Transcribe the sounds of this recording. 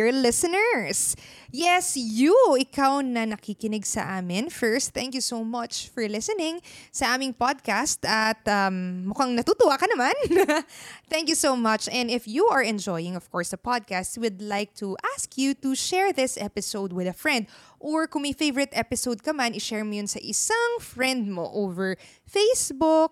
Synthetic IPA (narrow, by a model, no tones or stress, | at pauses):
ɹlɪsənɛɹs | jɛsjuɪkawnɐnɐkikɪnɪɡsɐ̰ʔaːmɪnfɛɹst̪̚θɛ̃ŋkjusomɐt͡ʃfɔɹlɪsɛnɪ̃ŋsɐʔaːmɪ̃ŋpad̪̚kast̪ɐt̪̚ɐmːʊkaŋnɐt̪uːt̪ʊwakɐnɐman | θɛ̃ŋkjusowmɐt͡ʃɛ̃nd̪ɪfjuʔɐɹɛ̃nd͡ʒɔjɪ̃ŋɔv̥kɔɹsd̪ɐpad̪̚kastwʊd̪lajk̚t̪ʰuʔaskʰjut̪uʃɛɹðɪsʔɛpɪsowd̪̚wɪðɐfɹɛ̃nd̪̚ʔɔɹkʊŋmɐjfejvəɹɪt̪ɛpɪsowd̪̚kɐmanɪʃɛɹmojʊnsɐʔɪsaŋfɹɛnd̪̚mo̰ʔovɛɹ | fejsbʊk̚